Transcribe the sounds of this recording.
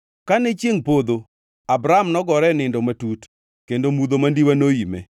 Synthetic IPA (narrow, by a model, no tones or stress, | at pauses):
kanɛt͡ʃjeŋpod̪o | abɾamnɔɡɔɾɛnɪndɔmatut | kendomud̪omandiwanojimɛ̰